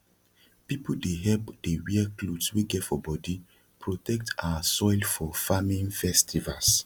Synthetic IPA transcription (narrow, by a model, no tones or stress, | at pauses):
pipodeɦɛlpd̥ewiaklodsweɡɛtfɔbɔdi | pɹotɛk̚tʰawasɔjlfɔfamĩnfɛstʰivals